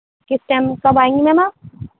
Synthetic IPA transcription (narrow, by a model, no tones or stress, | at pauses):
kɪsʈaːmkɐbaːẽːŋɡimɛ̃ma